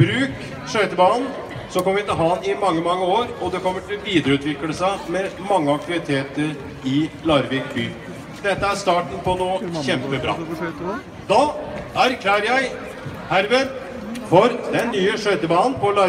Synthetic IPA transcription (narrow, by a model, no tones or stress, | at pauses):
bɾʉːk | ʂœʏt̪əbɑːn | sɔkʰɔmːəʋɪt̪ɪlɦɑːnɪmɑŋːəmɑŋːəoːɾɔd̪ɛkʰɔmːəʈʰɪlʋiːd̪əɾəʉːt̪ʋɪkləsæɪmɛmɑŋːəɑk̚t̪ɪʋɪt̪ʰeːt̪əɾ | ɪlɑɾʋɪkby̰ː | d̪̥ɛt̪ːəæɾst̪ɑːʈn̩pɔnuːçɛmpəbɾɑ̰ː | d̪ɑːæɾkʰlæːɾəjæɪ | hæɾʋəɾ | fɔɾd̪ɛnːyːəʂœʏt̪əbɑːənpɔlɑ